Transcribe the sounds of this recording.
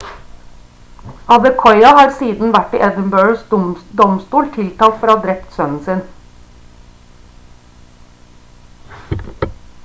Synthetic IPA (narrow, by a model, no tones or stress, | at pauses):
ɑd̪əkʰɔʏɑhɑːɾsiːd̪n̩ʋæʈḭʔɛd̪ən̩bøːɹsd̪ɔmst̪uːlt̪ʰɪlt̪ʰɑːlt̪fɔɾhɑːd̪ɾɛpt̪sœnn̩sɪn